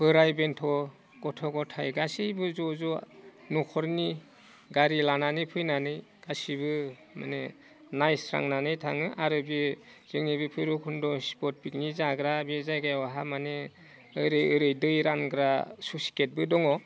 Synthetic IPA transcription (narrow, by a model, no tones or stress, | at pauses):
bɯɾajbentʰɔ | ɡ̥ɔtʰɔɡɔtʰajɡasijbɯzɔzɔnɔkʰɔɾni | ɡaɾilananɯjpʰɯjnanɯj | ɡ̥asibɯ | ma̰ne | najsʰɾa̰ŋnanɯjtʰa̰ŋɯʔaɾɯbiz̥ɯŋnibɯpʰɯjɾɔkʰundɔspɔt̚pik̚nizaɡɾabezajɡajwaɦamane | ɯɾɯjɯɾɯjdɯjɾanɡɾasusi̥ket̚bɯdɔŋɔ